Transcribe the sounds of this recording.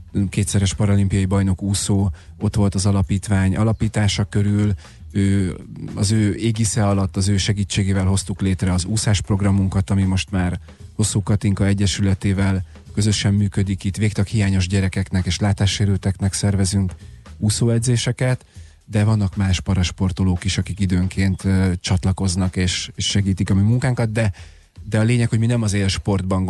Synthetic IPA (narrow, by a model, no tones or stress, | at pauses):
keːt̪sɛɾɛʃpɒɾolimpijɒjibɒjno̞kuːsoː | o̞t̪ʋo̞lt̪ɒzɒlɒpiːt̪ʋaːɲʔɒ̰lɒpiːt̪aːʃɒkø̞ɾyl | øːɒ̰zøːeːɡisɛɒlɒt̪ːɒzøːʃɛɡiːt͡ʃːeːɡeːvɛlɦo̞st̪ukleːt̪rɛɒzuːsaːʃpro̞ɡrɒmuŋkɒt̪ɒmimo̞ʃt̪maːr | ho̞sːuːkɒt̪iŋkɒɛɟːɛʃylɛt̪eːvɛl | kø̞zø̞ʃɛmːyːkø̞d̪ikit̪veːkt̪ɒkhijaːɲo̞ʒɟɛɾɛkɛknɛkeːʃlaːt̪aːʃːeːɾøːt̪ɛknɛksɛrvɛzyŋkuːsoːɛd̪zeːʃɛkɛt̪ | d̪ɛvɒnːɒkmaːʃpɒɾɒʃpo̞rt̪o̞loːkiʃɒkikid̪øːŋkʰeːnt̪ːt͡ʃɒt̪lɒko̞znɒkeːʃeːʃːɛɡiːt̪ikɒmyːmuŋkaːŋkɒd̪̚d̪ɛ | d̪ɛɒleːɲɛkho̞ɟminɛmɒzeːlʃpo̞rd̪̚bɒŋ